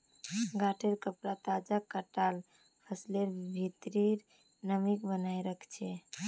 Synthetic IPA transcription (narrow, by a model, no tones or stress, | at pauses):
ɡaʈʰeɾkəpɾat̪ad͡ʒakəʈal | pʰəsleɾbʱit̪ɾiɾ | nəmikbənajɾəkʰt͡ʃʰɛ